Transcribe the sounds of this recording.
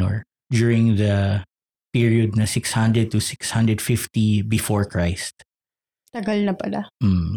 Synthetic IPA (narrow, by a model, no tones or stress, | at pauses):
ɔ̰ɹ | d͡ʒuːɹɪ̃ŋðɐ | piɹiɔd̪̚nɐsɪkshɐ̃nd̪ɹɛd̪̚t̪ʊsɪkshɐ̃nd̪ɹɛd̪fɪft̪ibɪfɔɹkɹaɪst̪̚ | t̪ɐɡɐlnɐpɐlamm̩